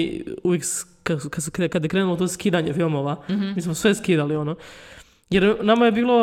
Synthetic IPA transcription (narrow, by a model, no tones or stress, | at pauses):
uʋjeks | kak̪skekad̪jekɾeːnulot̪oskiːd̪aɲefilˠmoʋamiːsmosʋeskiːd̪aliono | jeɾnamaje̞biːlˠo̞